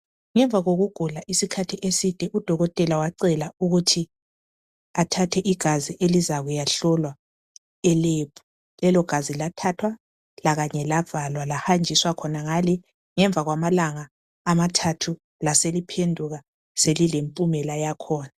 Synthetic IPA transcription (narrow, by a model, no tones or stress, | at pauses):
ŋɛɱvʱaɣoɣuɡ̥ʱulaʔisikʰatʰiʔesid̥ʱɛʔud̥ʱɔɣɔtʼɛlawaǀɛlauɣutʰi | atʰatʰɛʔiɡ̥ʱaziʔelizaɣujaɬɔlwa | ɛleːpʰu̥ | lɛlɔɡ̥ʱazilatʰatʰwa | laɣaɲɛlav̥alwalahand͡ʒʱiswakʰɔnaŋalɛ | ŋɛɱb̪vʱaɣwamalaŋaː | matʰatʰu | laselipʰendʱuɣa | selilempʼumɛlajakʰɔːna